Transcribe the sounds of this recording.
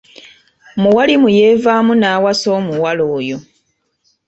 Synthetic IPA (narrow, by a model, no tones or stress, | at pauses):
muwalimuje̞ːvaːmunaːwaso̞ːmuwaloːjo̞